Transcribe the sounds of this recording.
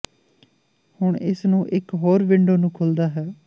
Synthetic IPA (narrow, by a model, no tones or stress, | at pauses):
hʊɳɪsnũːʔɪkɦoːɾʋɪɳɖoːnũːkʰoːld̪aːɦɛː